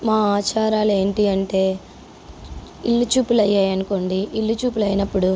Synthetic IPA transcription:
maːaːt͡ʃaːɾaːle̞ːɳʈiɐɳʈe̞ː | ilːut͡ʃuːpulɐjːaːjɐnuko̞ːɳɖiilːut͡ʃuːpulɐjnɐpːuɽu

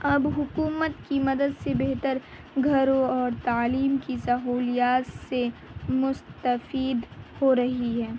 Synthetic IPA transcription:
ɐbɦʊkuːmət̪kimɐd̪əd̪sebeɦt̪əɾ | ɡʱɐɾõɔːɾt̪aːliːmkisɐɦuːlijaːt̪semʊst̪əfiːd̪hoɾɐɦiɦɛː

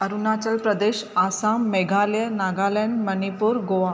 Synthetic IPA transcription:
ɐɾunaːt͡ʃəlpɾɐd̪eːɕaːsaːmːeɡʱaljənaːɡalɛɳɖmɐnipuːɾɡoʋa

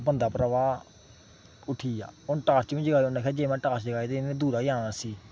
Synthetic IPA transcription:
bənd̪aːpɾəʋaː | ʊʈʰiːa̰ːʊnʈaːst͡ʃʋĩːd͡ʒəɡaːionãːkʰeːd͡ʒeːmɛ̃ːʈaːsd͡ʒəɡaːet̪eːɪnẽːd̪uːɾaːijãːnaːsiː

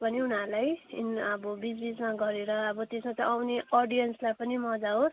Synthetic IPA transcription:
bʱʌniunaɾlajḭnʌbʌbid͡zbismaɡʌɾeɾʌːbʌt̪esmat̪ʌawneʌɽijʌnslajpʌnimʌd͡zaɦo

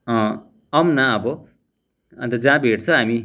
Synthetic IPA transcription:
ʌ̃ | ʌmnaʌbʌ | ʌ̰̃t̪ʌd͡zãbʱeʈt͡sʰʌ̃ɦami

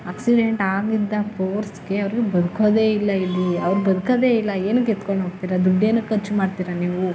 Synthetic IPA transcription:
aːksiɖeɳʈaːɡid̪ːɐpʰoːɾsɡe̞ɐʋɐɾiɡebɐd̪ukɐd̪eːilːɐilːiɐʋɐɾubɐd̪ukɐd̪e̞ːilːɐeːnuket̪koɳoːɡt̪iːɾɐd̪uɖːeːnukɐt͡ʃːumaːɖt̪iːɾɐniːʋu

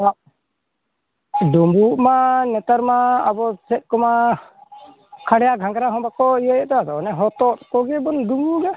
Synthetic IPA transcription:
aʔ | ɖumbuʔmanɛt̪aɾmaːbɔsɛt̪̚ˀkɔma | kʰaɽɛjaɡʱaŋɡɾaɦɔ̃bakɔijəjɔt̪ɛad̪ɔnɛɦɔt̪ɔt̪kɔɡɛbɔnɖumbuɡa

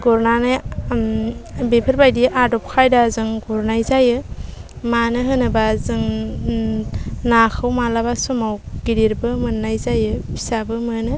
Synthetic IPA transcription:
ɡ̥ɔɾnanɯj | bepʰɯɾbajdiʔadɔp̚kʰajdazɯŋɡuɾnajzajɯ | manɯɦɯnɯbazɯŋ | nakʰɯwmalabasɔmawɡ̥iɾiɾbɯmɯnːajzajɯbʰi̥sabɯmɯnɯ

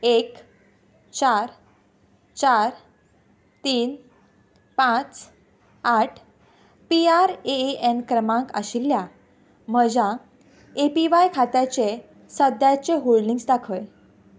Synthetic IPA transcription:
ek | t͡ɕaɾ | t͡ɕaɾ | t̪iːn | pãt͡s | aʈʰ | piaɾeenkɾəmãŋkə̰ɕilːja | m̤əd͡ʑa | epiʋajkʰat̪jat͡ɕe | səd̪jat͡ɕeɦoɭniŋɡsd̪akʰəj

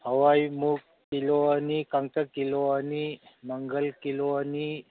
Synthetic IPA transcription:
həʋaimukːiloanikãŋ̚ʈəkːiloaniməŋɡəlkiloani

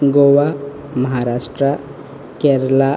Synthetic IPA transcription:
ɡoʋa | məɦaɾasʈɾə | keɾəla

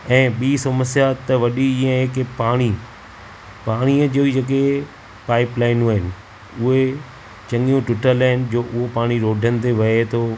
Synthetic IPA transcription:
ɛ̃ːɓiːsɐməsjat̪ɐʋɐɗiiə̃ɦekpaːɽ̃i | paːɽ̃iːəd͡ʑoːid͡ʑɐk̬e | paːɪplaːɪnuaːɦɪnɪ̆ | ʊɦe | t͡ɕɐ̃ŋɡijũʈɪʈəɾlaːɪnd͡ʑoːʔʊɦopaːɽ̃iɾoːɖʱənɪ̆t̪ʰeʋɐet̪ʰoː

